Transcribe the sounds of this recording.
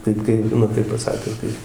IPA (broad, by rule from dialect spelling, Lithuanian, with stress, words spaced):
ˈtɐɪp kɐɪ ˈnʊ tɐɪp pɐˈsɑːkʲʊs ˈkɐɪ